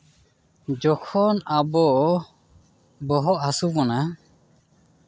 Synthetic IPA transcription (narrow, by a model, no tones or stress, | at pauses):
d͡ʒɔkʰɔnabɔ | bɔɦɔʔhasubɔna